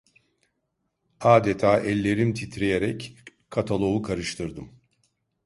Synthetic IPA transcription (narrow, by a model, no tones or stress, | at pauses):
aːd̪et̪ʰaːʔɛlʲːe̞ɾimt̪ʰit̪ɾejeɾɛc | kʰːat̪ʰalˠo̞ukʰaɾɯʃt̪ʰɯɾd̪ɯm